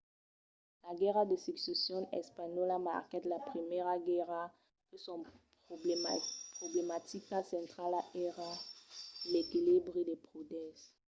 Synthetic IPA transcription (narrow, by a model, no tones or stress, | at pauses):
laɡɛʁad̪esiksesjɔ̃nɛ̰spaɲɔlama̰ʁkɛt̪lapχimɛʁaɡɛʁa | pəsɔ̃ | pχoblemat̪ikasɛ̃t̪χalaʔɛʁa | lekilibʁed̪epʁud̪ɛ̃s